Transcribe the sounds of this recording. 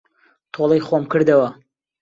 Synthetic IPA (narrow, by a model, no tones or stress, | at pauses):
t̪ʰolˠɐjχomkɨɾd̪ɐwɐ